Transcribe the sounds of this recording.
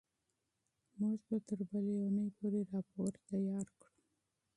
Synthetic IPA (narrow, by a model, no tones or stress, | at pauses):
muʒbat̪əɾbəleunəjpoɾeɾɑpoɾt̪ajɑɾkɽu